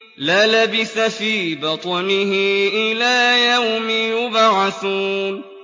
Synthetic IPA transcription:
laːlabɪsafiːbɑt̪ˤɑnɪhɪʔɪlaːjawmɪjʊbʕɑθuːn

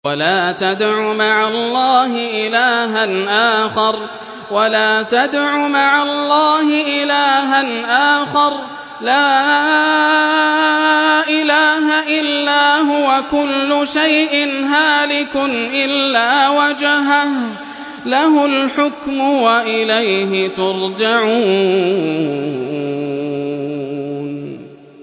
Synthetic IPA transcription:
walaːt̪ad̪ʕʊmaʕalˤːɑːɦɪʔɪlaːɦanʔaːxɑɾˤ | walaːt̪ad̪ʕʊmaʕalˤːɑːɦɪʔɪlaːɦanʔaːxɑɾˤ | laː | ʔɪlaːɦaʔɪlːaːɦʊwakʊlːʊʃajʔɪnɦaːlɪkʊnʔɪlːaːwad͡ʒaɦah | laɦʊlħʊkmʊwaʔɪlajɦɪt̪ʊɾd͡ʒaʕuː | n

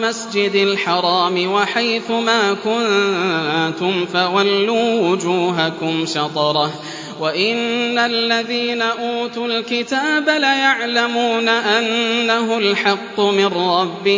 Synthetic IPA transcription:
masd͡ʒɪd̪alħɑɾˤɑːmɪwaħajθʊmaːkʊnlat̪ʊmfawalːuːwʊd͡ʒuːɦakʊmʃɑt̪ˤɑɾˤɑh | waʔɪnːalːaðiːnaʔuːt̪ʊlkɪt̪aːbalajaʕlamuːnaʔanːaɦʊlħɑqːʊmɪnrɾɑbːɪ

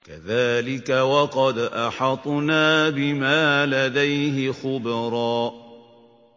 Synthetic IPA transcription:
kaðaːlɪkawɑqɑd̪ʔɑħɑt̪ˤnaːbɪmaːlad̪ajɦɪxʊbɾˤɑːʔ

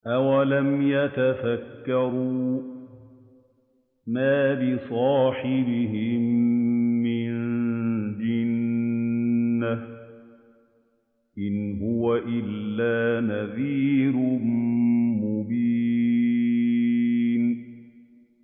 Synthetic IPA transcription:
ʔawalamjat̪afakːɑɾuː | maːbɪsˤɑːħɪbɪɦɪmː | ɪn | d͡ʒɪn | a | ʔɪnɦʊwaʔɪlːaːnaðiːɾʊmmʊbiː | n

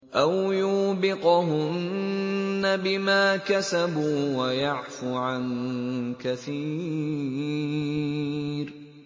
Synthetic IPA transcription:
ʔawjuːbɪqɦʊnnnː | abɪmaːkasabuːwajaʕfuʕankaθiː | ɾ

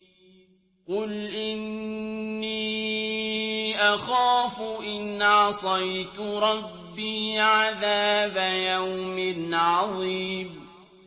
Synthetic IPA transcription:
qʊlʔɪnː | iː | ʔaxaːfʊʔɪnːʕɑsˤɑjt̪ɾˤɑbːiːʕaðaːbajawmɪʕɑðˤiːb

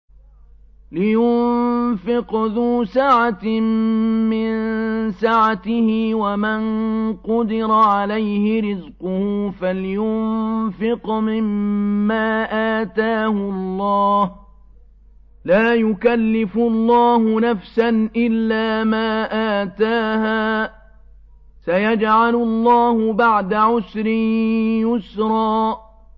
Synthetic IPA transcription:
lɪjʊnfɪqðuːsaʕa | mɪnsaʕat̪ɪhɪwamanqʊd̪ɪɾaʕalajhɪɾɪzqʊhuːfaljʊmfɪqmɪmːaːʔaːt̪aːhʊɑlˤːɑːh | laːjʊkalːɪfʊlˤːɑːhʊnafsanʔɪlːaːmaːʔaːt̪aːhaː | sajad͡ʒʕalʊlˤːɑːhʊbaʕd̪aʕʊsɾɪjʊsɾˤɑː

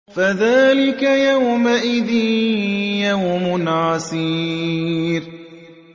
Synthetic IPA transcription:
faðaːlɪkajawmaʔɪðiːjawmʊnaːsiː | ɾ

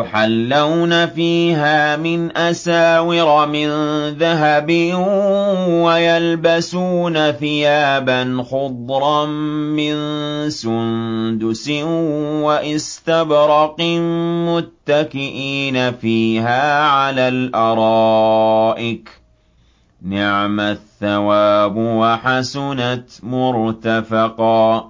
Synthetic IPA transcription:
ʊħalːawnafiːɦaːmɪnʔasaːwɪɾɑmɪnðaɦabɪ | wajalbasuːnaθɪjaːbanxʊd̪ˤɾˤɑmɪnsʊnd̪ʊsɪwaʔɪst̪abɾɑqɪmʊt̪ːakɪʔiːnafiːɦaːʕalaːlʔɑɾˤɑːʔɪk | nɪʕmaθːawaːbwaħasʊnat̪mʊɾt̪afɑqɑ

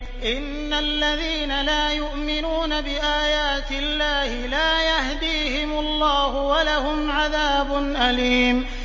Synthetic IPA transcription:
ʔɪnːalːaðiːnalaːjʊʔmɪnuːnabɪʔaːjaːt̪ɪlːaːhɪlaːjahd̪iːhɪmʊlˤːɑːhʊwalahʊmʕaðaːbʊnʔaliːm

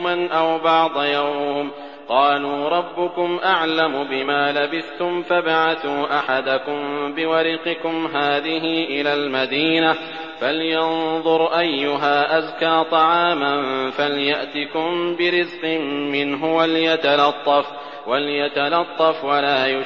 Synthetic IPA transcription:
manʔawbɑʕd̪ˤɑjawm | qɑːluːɾˤɑbːʊkʊmʔaʕlamʊbɪmaːlabɪθt̪ʊmfabaʕaθuːʔaħad̪akʊmbɪwɑɾɪqɪkʊmɦaːðɪɦɪʔɪlaːlmad̪iːna | faljɑnðˤʊɾˤʔajːʊɦaːʔazkaːt̪ˤɑʕaːmanfaljaʔt̪ɪkʊmbɪɾɪzqɨmːɪnɦʊwaljat̪alɑt̪ˤːɑf | waljat̪alɑt̪ˤːɑfwalaːjʊ

